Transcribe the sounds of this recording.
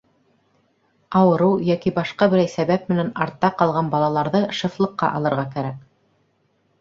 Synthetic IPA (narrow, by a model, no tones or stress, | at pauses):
ɑwɤ̆ɾɤwjækibɑʃqɑbɘ̆ɾæjsæβæp̚mɘ̆nænɑɾt̪ːɑqɑlˠʁɑnbɑlˠɑlˠɑɾðɤʃɤ̆flˠɤ̆qːɑ̰ʔɑ̰lˠɤ̆ɾʁɑkæɾæk̚